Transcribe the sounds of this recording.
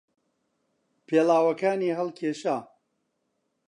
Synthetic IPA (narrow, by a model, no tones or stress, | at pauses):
pʰeːlaːwɐkaːniːɦɐlˠkʰeːʃaː